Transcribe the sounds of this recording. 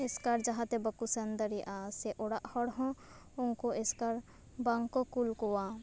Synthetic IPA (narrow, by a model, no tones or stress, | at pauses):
ɪskaɾd͡ʒɐɦat̪ebɐkusɐnd̪əɾiʔaːseʔoɽaʔhɔɽɦɔ̃ | ʊŋkoʔɪskɐɾ | bɐŋkokulkowaː